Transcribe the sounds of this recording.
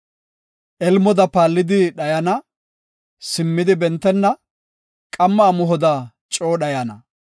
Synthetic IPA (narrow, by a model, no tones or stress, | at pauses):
ʔɛlmɔd̪ɐpaːlːɪd̪ɪɗɐjɐnɐ | sɪmːɪd̪ɪbɛnt̪ːɛnːɐ | kʼɐmːɐːmʊɦɔd̪ɐ | t͡ʃʼoːɗɐjɐnɐ